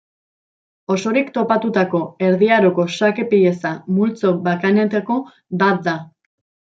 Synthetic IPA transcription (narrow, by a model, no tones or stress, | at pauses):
o̞so̞ɾikt̪o̞pat̪ut̪ako̞e̞ɾðiaɾoko̞sake̞piʎe̞samult͡so̞bakanet̪eko̞ | bat̪̚d̪a